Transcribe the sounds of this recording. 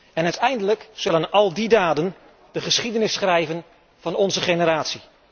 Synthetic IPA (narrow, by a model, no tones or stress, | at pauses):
ɛnœɥtɛjndələkz̥ɵlənɑlˠdidaːdən | d̥əχəsχidənɪsχrɛjvən | v̥ɑnɔnzəχenəɾaːtsi